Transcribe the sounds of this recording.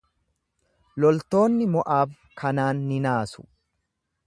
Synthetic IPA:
lɔlt̪o̞ːnːɪmɔʔaːb | kʰɐnaːnːɪnaːsʊ̥

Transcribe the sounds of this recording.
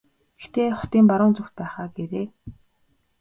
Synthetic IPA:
e̥xt̪eːχʊ̥t̪iːmpaɾʊːnt͡sɵxt̪̚pæːχaːɡeɾeː

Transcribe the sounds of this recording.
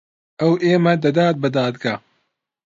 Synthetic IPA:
ɐwʔeːmɐd̪ɐd̪aːt̪̚bɨd̪aːd̪ɡa

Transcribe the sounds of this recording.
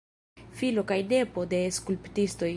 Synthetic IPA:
filo̞kajne̞po̞de̞skulptisto̞j

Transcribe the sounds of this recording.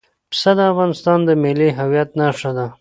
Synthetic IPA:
psad̪əafɣɑnɪst̪ɑnd̪əmɪliɦawjat̪naʂad̪a

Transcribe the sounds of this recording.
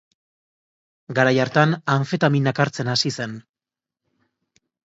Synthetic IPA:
ɡaɾajaɾt̪anaɱfet̪aminakaɾt͡se̞nasise̞n

